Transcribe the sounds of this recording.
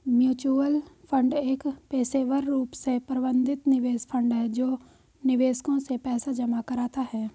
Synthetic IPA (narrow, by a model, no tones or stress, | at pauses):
mjuːt͡ʃuːəlpʰə̃ɳɖeːkpeːseːʋəɾːuːpsepɾbə̃nd̪ʱɪt̪nɪʋeːspʰə̃ɳɖɦɛd͡ʒoː | nɪʋeːskõsepɛːsad͡ʒɐmakɐɾaːt̪aɦɛː